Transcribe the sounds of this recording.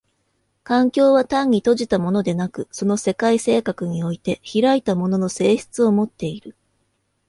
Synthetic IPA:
kãŋkʲo̞ːβat̪ãɲ̟ːit̪o̞ʑit̪amo̞no̞d̪e̞nakɯ̟so̞no̞se̞kaise̞ːkakɯ̟ɲ̟io̞it̪e̞çiɾait̪amo̞no̞no̞se̞ːɕi̥t͡sɨo̞mo̞t̪ːe̞iɾɯ̟

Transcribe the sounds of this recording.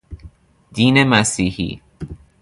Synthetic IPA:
d̪iːnemæsiːhḭː

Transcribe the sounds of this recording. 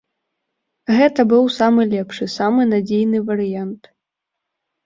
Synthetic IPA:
ɣɛt̪ɐbɨwsamɨlʲɛpʂɨsamɨnad͡zʲejnɨvɐɾɨjant̪

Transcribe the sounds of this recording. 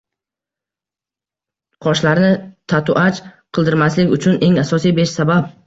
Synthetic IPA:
qʰɒʃlaɾnɪt̪ʰat̪ʊʔat͡ʃqʰɨlˠd̪ɪɾmaslɪkʲʊt͡ʃʰʊnʔe̞ŋasɒsijbeʃsabap

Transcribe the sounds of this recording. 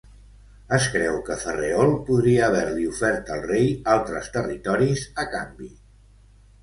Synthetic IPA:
əskɾɛwkəfəreɔlˠpuðɾiəːβ̞ɛɾliufɛɾt̪əlˠrejalˠt̪ɾəst̪ərit̪ɔɾizəka̰mbi

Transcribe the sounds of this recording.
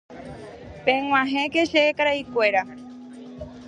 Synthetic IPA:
pẽŋʷw̃ãɦẽkeʃeːkaɾaikʷe̞ɾa

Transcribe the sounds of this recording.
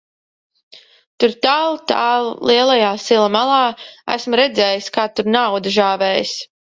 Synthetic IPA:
t̪uɾt̪aːlˠt̪aːlˠlˠiɛlˠajaːsilˠamalˠɑːæ̰smɾɛd̪zɛːjiskaːt̪uɾnawd̪ɨʒaːvɛːjis

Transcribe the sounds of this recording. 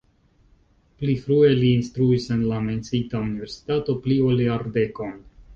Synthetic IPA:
plifɾue̞liːnstɾuise̞nlame̞nt͡sitaunive̞ɾsi̥tato̞plioliaɾde̞kon

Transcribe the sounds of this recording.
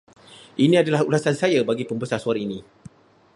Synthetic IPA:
ʔinĩadalahulasansajabaɡipəmbəsasuaɾinĩ

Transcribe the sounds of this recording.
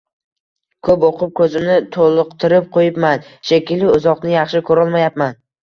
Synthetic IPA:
kʰɵpoqʰʊp̚kʰɵzɪmnɪt̪ʰolˠʊqt̪ʰɪɾɪp̚qʰojɪpmanʃekʲɪlɪʊzɒqnɪjɑχʃɪkʰɵɾɒlˠmajap̚man

